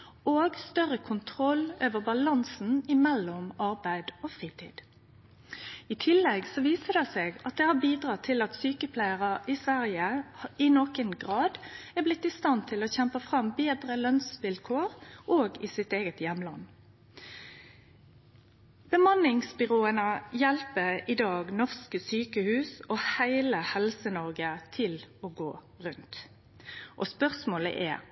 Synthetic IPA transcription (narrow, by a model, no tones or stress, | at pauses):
oːɡst̪œʁəkʰʊnt̪ʰʁɔløːʋəbɑlɑnsn̩ɪmɛlːɔmɑʁbæɪd̪oːfʁiːt̪ʰḭːd̪̥ | ɪt̪ʰɪlːɛɡsɔʋiːsəd̪ɛseːɡɑt̪̚d̪ɛːhɑbiːd̪ʁɑːt̪ʰɪlɑt̪syːkəpʰlæɪəʁəʔɪsʋæʁjəɪnoːkənɡʁɑːd̪æblɪt̪ːɪst̪ɑnt̪ʰɪloːçɛmpəfʁɑmbeːd̪ʁəlœnsʋɪlkʰoːʁʔoːɡɪsɪt̪eːɡət̪jɛmlɑn | b̥əmɑnɪŋsbʏʁoːənəjɛlpəɪd̪ɑːɡnɔʁskəsyːkəhʉːsɔhæɪləhɛlsənɔʁɡət̪ʰɪloːɡo̰ː | ʁʉnt̪ | ʔɔspœʁsmoːlə̰ʔɛ̰